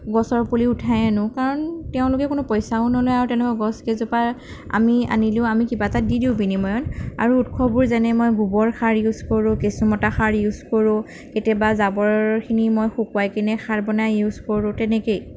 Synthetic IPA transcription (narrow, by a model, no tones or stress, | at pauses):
ɡɔsɔɹpuliutʰajanʊkaɹɔntɛʊ̃lʊkɛkʊnʊpɔjsaunɔlojaɹutɛ̃lkɔɡɔskezɔpaɹ | a̰mia̰nilʊʊamikibatadidiʊ̃binimɔjɔna̰ɹuːtkʰɔbuɹzɛnɛmojɡubɔɹkʰaɹjuzkoɹʊ̃kesɔmɔtaxaɹjuzkoɹʊ̃ | ketɛbazabɔɹkʰinimojxukwajkinɛxʰaɹbɔnajjuzkoɹʊ̃tɛnekej